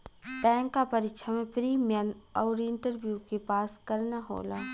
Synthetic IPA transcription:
bɛ̃ːŋkːapɐɾɪkʃʰamẽpɾiːmjənɔːɾɪ̃ɳʈəɾbjukepaːskɐɾnaɦo̰ːlaː

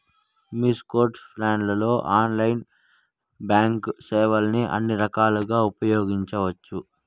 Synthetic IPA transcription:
miskoːɾʈsplaːnlɐlo̞ːʔaːnlɐjn | baːŋksɛːʋɐlɐniʔɐ̰nːiɾɐkaːluɡaːupɐjoːɡiɲt͡ʃɐʋɐt͡ʃːu

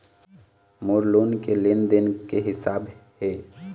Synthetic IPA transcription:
moːɾloːnkelend̪ənkeɦɪsaːbheː

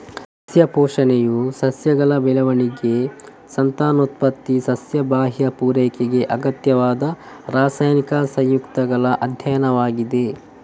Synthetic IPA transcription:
ɐsjɐpɔːʂɐnejusɐsjɐɡɐɭɐbɛlɐʋɐɳiɡe | sɐnt̪aːnut̪̚pɐt̪ːisɐsjɐbaːɦjɐpuːɾɛːkeɡe̞ʔɐɡɐt̪jɐʋaːd̪ɐ | ɾaːsaːjnikɐsɐ̃j̃jukt̪ɐɡɐɭɐʔɐd̪ʱjɐjɐnɐʋaːɡid̪e̞

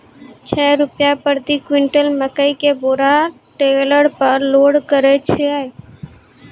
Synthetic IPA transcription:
t͡ʃʰɛːɾʊpjapəɾt̪ikwɪɳʈəlməkəikeboːɾa | ʈeləɾpəɾloːɽkəɾet͡ʃʰeaːe

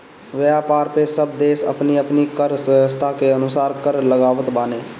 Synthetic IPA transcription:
ʋjaːpaːɾpesəb̚d̪eːsə̰pniːəpnikəɾsəst̪ʰaːkeənʊsaːɾkəɾləɡaːʋət̪baːneː

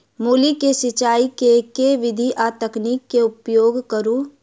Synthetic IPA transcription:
muːlikesɪt͡ʃaːikekeʋɪd̪ʱiʔaːt̪əkniːkːeʊpjoːɡkəɾũ

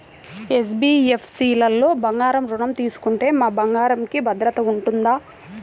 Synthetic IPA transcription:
es̬biːepʰsiːlɐlːoːbɐŋɡaːɾɐmɾuɳɐmt̪iːsu̥kuɳʈe̞ːmaːbɐŋɡaːɾɐmkibɐd̪ɾɐt̪ɐuɳʈund̪aː

